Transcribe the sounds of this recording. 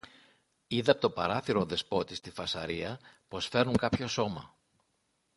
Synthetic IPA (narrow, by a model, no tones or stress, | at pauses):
iðeɐpot̪opɐɾɐθiɾoðe̞spo̞t̪ist̪ifɐsɐɾiɐpo̞sfe̞ɾnuŋkɐpço̞so̞mɐ̰